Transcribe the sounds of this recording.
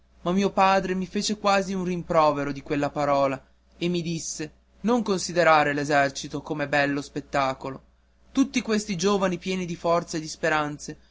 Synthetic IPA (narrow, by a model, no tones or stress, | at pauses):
mamːiːopaːd̪ɾemifeːt͡ʃekwaːziunrimpɾɔːveɾod̪ikwelːapaɾɔːla | emːid̪isːe | noŋkonsid̪eɾaːɾelezɛrt͡ʃit̪okomebɛlːospet̪ːaːkolo | t̪ut̪ːikwest̪id͡ʒoːvanipjɛːnid̪ifɔrt̪saed̪ispeɾant̪se